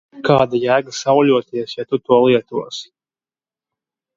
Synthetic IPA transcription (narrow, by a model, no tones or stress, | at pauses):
kaːd̪ajæːɡasawlʲuɔt̪iɛsjat̪ut̪uɔlˠiɛt̪uɔs